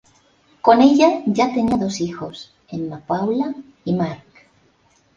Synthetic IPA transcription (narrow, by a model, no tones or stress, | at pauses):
ko̞ne̞ʎaʝat̪e̞niaðo̞sixo̞s | e̞nːapawla | imaɾk